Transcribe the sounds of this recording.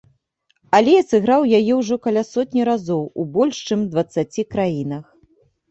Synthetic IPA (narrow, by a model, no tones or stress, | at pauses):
alʲɛɐsɨɣɾawjajɛwʐɔkɐlʲasɔt̪ʲnʲiɾazɔwubɔlʲʂt͡ʂɨmd̪vɐt̪sːat͡sʲikɾajinɐx